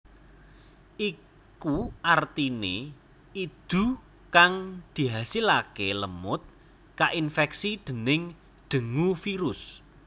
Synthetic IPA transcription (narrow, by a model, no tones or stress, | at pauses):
ʔi | kuʔart̪ine | id̪̥ṳ | kaŋd̪̥i̤ɦasilakeləmʊt̪̚ | kaʔinfɛksid̪̥ə̤nɪŋ | ɖ̪̥ə̤ŋufiɾʊs